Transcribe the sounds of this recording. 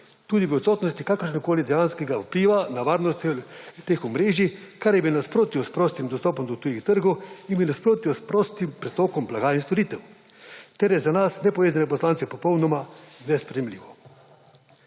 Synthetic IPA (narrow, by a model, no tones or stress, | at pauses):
t̪uːd̪iʋəɔt̪sɔːt̪nɔst̪ikakəɾʃnikoːlid̪ɛjanskɛɡawpliːʋanaʋaːɾnɔst̪t̪exɔmɾeːʒikaɾjɛbiwnaspɾoːt̪iɔspɾoːst̪imd̪ɔst̪ɔːpɔmd̪ɔt̪ujixt̪əɾɡɔwinbiwnaspɾoːt̪iɔspɾoːst̪impɾɛt̪ɔːkɔmblaɡaːinst̪ɔɾit̪ɛw | t̪ɛɾjɛzanasnɛpɔʋeːzanɛpɔslaːnt̪sɛpɔpɔwnɔmanɛspɾɛjɛmliːʋɔ